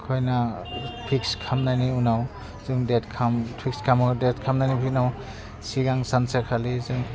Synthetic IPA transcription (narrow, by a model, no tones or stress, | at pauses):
kʰɔjnapʰikskʰamnaniunaw | zɯŋdɛt̚kʰampʰikskʰamɔdɛt̚kʰamnanipʰinaw | siɡaŋsansakʰalizɯŋ